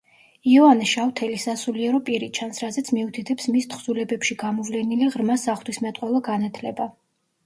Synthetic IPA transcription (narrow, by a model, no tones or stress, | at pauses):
iɔanɛʃavt̪ʰɛlisasuliɛɾɔpʼiɾit͡ʃʰansɾazɛt̪sʰmiut̪ʰit̪ʰɛpsmist̪ʰχzulɛbɛpʃiɡamɔvlɛniliʁɾmasaχlt̪wismɛt̪ʼqʼwɛlˠɔɡanat̪ʰlɛba